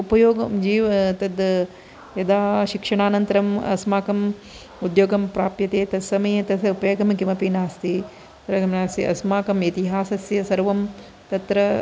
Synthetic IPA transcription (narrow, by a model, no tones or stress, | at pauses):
upɐjoːɡɐmd͡ʒiːʋɐt̪ɐd̪ | jɐd̪aːʃikʂɐɳaːnɐnt̪ɐɾɐmɐ̰smaːkɐm | ud̪joːɡɐmpɾaːpjɐt̪eːt̪ɐsɐmɐjɐt̪ɐupɐjɐɡɐmkimɐpiːnaːst̪i | t̪ɾɐɡɐmnaːst̪iʔɐ̰smaːkɐmit̪iɦaːsɐsjɐsɐɾʋɐm | t̪ɐt̪ɾɐ